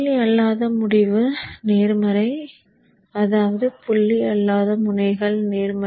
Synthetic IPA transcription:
iɐlːaːðɐmʊɽɪʋɯneːɾmɐɾɐɪ | ɐðaːʋɐðɯpʊɭːiɐlːaːðɐmʊnɐɪɣɐɭneːɾmɐ

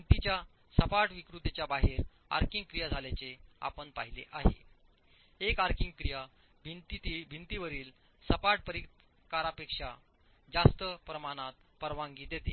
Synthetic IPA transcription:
bʱint̪it͡ɕja | səpaʈʋikɾut̪et͡ɕjabaɦeɾ | a̰ɾkĩŋɡ̚kɾijad͡zʱaljat͡sea̰pəɳpa̰ɦilḛʔaɦḛ | ekaɾkiŋɡkɾija | t̪ibʱint̪iʋəɾiːl | səpaʈ̚pəɾi | kaɾapekʂa | d͡zast̪əpɾəmaɽ̃at̪̚ | pəɾʋãŋɡiːd̪et̪e

